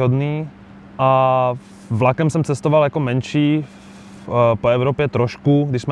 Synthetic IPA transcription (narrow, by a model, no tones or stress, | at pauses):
ɦɔd̪niː | ʔa | vlakɛmsɛmt͡sɛst̪ɔʋaljakɔmɛnʃiː | pɔɛʊɾɔːpjɛt̪ɾɔʃkuɡd̪iʃsmɛ